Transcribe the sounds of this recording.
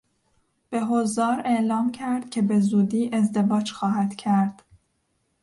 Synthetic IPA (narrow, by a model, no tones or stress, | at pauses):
b̥e̞ɦozɒːɾe̞ʔlɒːmcʰæɾd̪̥̚cʲʰe̞be̞zuːd̪iːʔe̞zd̪e̞vɒːd͡ʒxɒːɦæd̪̥cʰæɾd̪̥